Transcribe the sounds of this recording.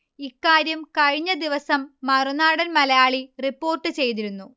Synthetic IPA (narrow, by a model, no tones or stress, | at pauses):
ikːaːɾjɐmkɐɻiɲːɐd̪iʋɐsɐmːɐrunaːɽɐnmɐlɐjaːɭiripːo̞ːrʈːɨt͡ɕe̞jt̪̬iɾunːu